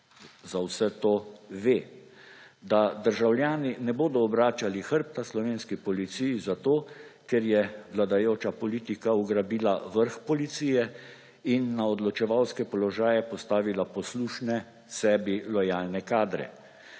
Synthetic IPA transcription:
zawsɛt̪oːʋeː | d̪ad̪əɾʒawlʲjaːninɛboːd̪ɔːbɾaːt͡ʃalixəɾp̚t̪aslɔʋeːnskipɔlit̪sijizat̪oːkɛɾjɛʋlad̪ajoːt͡ʃapɔliːt̪ikauɡɾabiːlaʋəɾxpɔlit̪siːjɛ | inːaɔd̪lɔt͡ʃɛʋawskɛpɔlɔʒaːjɛpɔst̪aːʋilapɔsluʃnɛ | sɛːbilɔjaːlnɛkaːd̪ɾɛ̰

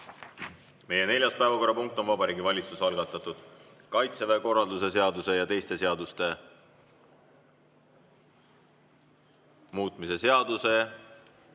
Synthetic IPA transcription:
me̞je̞ne̞lʲjɑspæevɑko̞ɾːɑpuŋk̚t̪o̞nvɑbɑɾiːɡivɑlʲit̪susɑlɡɑt̪ːˑɑt̪ːˑud̪̥ | kɑjt̪seveko̞rːɑld̪use̞se̞ɑd̪use̞jɑt̪e̞jst̪e̞se̞ɑd̪ust̪e̞ | muːt̪ˑmise̞se̞ɑd̪̥use̞

